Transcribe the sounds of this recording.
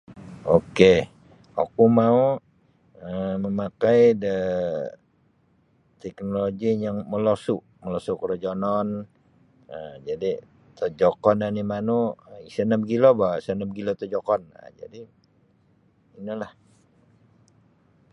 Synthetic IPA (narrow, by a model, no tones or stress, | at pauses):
oke | o̰kumau | əməmakajdə | t̪ɛknoloɡijaŋməlosuʔ | məlosukɾod͡ʒonɔn | əd͡ʒadi | t̪əd͡ʒɔkɔnanimanuisənəp̚ɡilobasənəp̚ɡilot̪əd͡ʒokɔna̰d͡ʒa̰di | inəlah